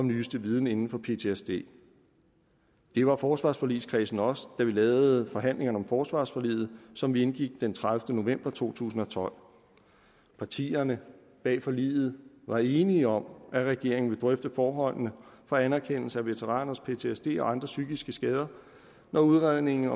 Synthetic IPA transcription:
ɒ̽mnyːsd̥əʋið̞ˠn̩e̝nn̩fɒ̽pʰe̝t͡sʰe̝esd̥e̝̰ː | d̥e̝ʋɑ̈fɒːsʋɑ̈ːsfɒ̽liskʰʁɛsn̩ɒ̽sd̥æʋilɛːʊð̩ˠfɒ̽ɦæn̰le̝ŋɐnəɒ̽mfɒːsʋɑ̈ːsfɒ̽lḭːð̩ˠsɒ̽mʋienɡ̥iɡ̥̚d̥ent͡sʰʁaðfd̥əno̝ʋem̰b̥ɐt͡sʰo̝̰ːt͡sʰṵːsn̩ɒ̽t͡sʰɒ̽l̰ | pʰɑ̈t͡sʰḭːɐnə | b̥ɛ̰ːfɒ̽lḭːðˠð̩ˠ | ʋɑ̈e̝ːniɒ̽mæʁɛɡ̥e̝ɐ̰eŋ̩ʋe̝d̥ʁœfd̥əfɒːɦɒ̽l̰nəfɒ̽ænæɐkʰen̰l̩səæʋe̝t͡sʰeʁɑ̰̈ːnɐspʰe̝t͡sʰe̝esd̥e̝̰ːɒ̽ɑ̈nd̥ʁɐsyːɡ̥isɡ̥əsɡ̥ɛːð̞ˠɐ | nɒuðˠʁað̰ˠne̝ŋn̩ɒ

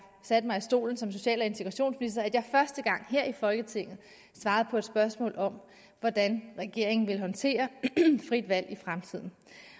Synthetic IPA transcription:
sæd̥mɑ̈ɪisd̥o̝̰ːln̩sɒ̽mso̝ɕɛ̰ːlɒe̝nt͡sʰe̝ɡ̥ʁɑɕo̝̰ːnsminisd̥ɐæd̥jɑ̈hfɶɐsd̥əɡ̥ɑ̈ŋ̰ɦeɐ̰ifɒ̽lɡ̥ət͡sʰe̝ŋ̰ð̩ˠ | sʋɑ̈ːð̞ˠpʰɒ̽e̝d̥sb̥ɶɐsmɔ̰̽ːlɒ̽m | ʋɒd̥ænʁɛɡ̥e̝ɐ̰e̝ŋn̩ʋe̝lɦɒ̽nt͡sʰe̝̰ːɐfʁid̥ʋæl̰ifʁamt͡sʰið̞̰ˠn̩

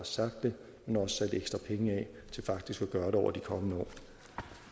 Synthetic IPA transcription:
ɑ̈sɑ̈ɡ̥̚d̥ːe̝ | menɒ̽sə̥sæd̥eɡ̥sd̥ʁɐpʰeŋəɛ | t͡sʰe̝lfɑ̈ɡ̥̚d̥isɡ̥æɡ̥ɶːɐɾeɒʊɐd̥ikʰɒ̽mənəɒ̰ː

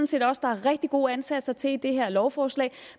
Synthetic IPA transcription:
n̩se̝̰ːdɒ̽sd̥ɑ̈æɐʁɛɡ̥̚d̥iɡ̥o̝ːænsæd̥sɐt͡sʰe̝ld̥e̝ɦeɐ̰lɒʊfɒːslɛ̰ːɪ

